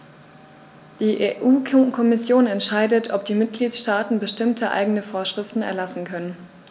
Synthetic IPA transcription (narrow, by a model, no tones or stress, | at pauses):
d̥iːʔeʔuːkʰɔmɪsjoːnɛntʃaɪdətʰɔp̚d̥iːmɪt̚ɡ̥liːtʃtaːtn̩bəʃtɪmtʰəʔa̰ɪɡənəfoːɐʃʁ̥ɪftn̩ɛ̰ɐlasn̩kʰœnən